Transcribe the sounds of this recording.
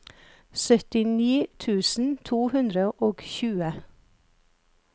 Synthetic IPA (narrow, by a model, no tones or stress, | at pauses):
sœt̪ɪniːt̪ʰʉːsn̩t̪ʰuːhʉnd̪ɾəʔoːɡçʉːə